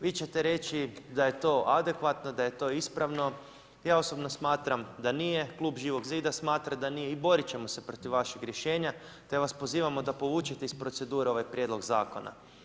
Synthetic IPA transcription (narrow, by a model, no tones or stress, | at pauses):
ʋiːt͡ɕe̞t̪e̞ɾe̞t͡ʃid̪aje̞t̪o̞ʔad̪e̞kʋat̪no̞d̪aje̞t̪o̞ːispɾaʋno̞ | jaːo̞so̞bno̞smaːt̪ɾamd̪anije̞klˠuːbʒiːʋo̞ɡziːd̪asmaːt̪ɾad̪anijeibo̞ɾit͡ɕe̞mo̞sepɾot̪iʋːaʃeɡɾʲje̞ʃe̞ːɲa | t̪e̞ʋaspo̞ziːʋamo̞d̪apo̞ʋuːt͡ʃet̪e̞ispɾo̞t̪se̞d̪uːɾeo̞ʋajpɾʲje̞d̪lo̞ɡzaːko̞na̰